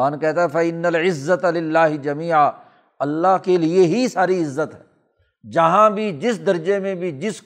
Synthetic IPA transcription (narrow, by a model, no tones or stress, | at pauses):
aːnkɛɦt̪aɦɛfɐɪnːɐlɪzːɐt̪lɪlːaːɦɪd͡ʒɐmiːʕa | ɐlːaɦkelieɦisaːɾiɪzːət̪ɦɛː | d͡ʒɐɦãbʱid͡ʒɪsd̪ɐɾd͡ʒemẽbʱid͡ʒɪsk